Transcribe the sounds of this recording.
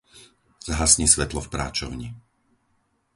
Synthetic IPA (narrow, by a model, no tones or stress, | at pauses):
z̥ɦasɲisʋɛt̪lɔfpɾa̰ːt͡ʃɔʊɲi